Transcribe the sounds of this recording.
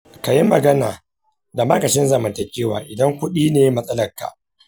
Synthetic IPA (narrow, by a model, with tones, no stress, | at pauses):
ka˨jɪ˦mːɐ˨ɡɐ˦naː˨ | da˨ma˦kɐ˨ʃɪ˦nzɐ˨mɐ˨ntɐ˨kʲeː˦waː˨ʔɪ˨dɐ˦ŋkʷʊ˦ɗiː˦neː˨jmɐ˦sʼɐ˦lɐ˨rka̰˨ʔ